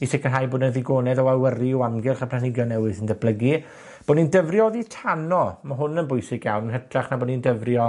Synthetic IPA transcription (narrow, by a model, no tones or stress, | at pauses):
isɛkənɦajboːdnəðɪɡoːnɛðɔalwəriɔamɡɛlˠχapʰlanɪɡjɔnɛwɨðθɪndəblˠəɡi | b̥oːdnindəvrjɔðitʰanɔmaɦʊnənbʊjsɪɡja̰wnənɦətʰraχnaboːdnindəvrjɔ